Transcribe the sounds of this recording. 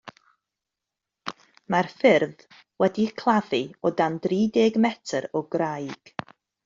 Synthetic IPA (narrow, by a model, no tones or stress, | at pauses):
marfɪrð | wɛdikʰlˠaviɔdandriːdeːɡmɛtʰəɾɔɡrajɡ̥